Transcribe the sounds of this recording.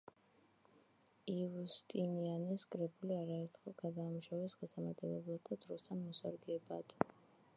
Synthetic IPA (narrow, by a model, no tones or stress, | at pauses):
ivust̪ʼinianɛskʼɾɛbuliaɾaɛɾt̪ʰχɛlˠɡad̪aːmuʃavɛsɡasamat̪ʼɛlɛblˠat̪ʰad̪ɾɔst̪ʰanmɔsa̰ɾɡɛba̰d̪̥